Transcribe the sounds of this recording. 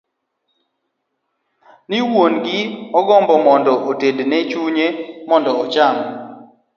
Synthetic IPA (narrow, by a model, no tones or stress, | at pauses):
nɪwonɡɪɔɡɔmbɔmɔndɔʔotednet͡ʃuɲemɔndɔːt͡ʃam